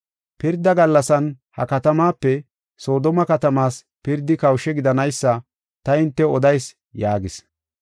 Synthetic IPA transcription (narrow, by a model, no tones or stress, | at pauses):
pɪɾd̪ɐɡɐlːɐsɐn | hɐ̰kɐt̪ɐmaːpːɛ | so̞ːd̪ɔmɐkɐt̪ɐmaːs | pɪɾd̪ːɪkɐwʃɛɡɪd̪ɐnɐjsːɐ | t̪ɐɪnt̪ːɛɔd̪ɐjs | jaːɡɪs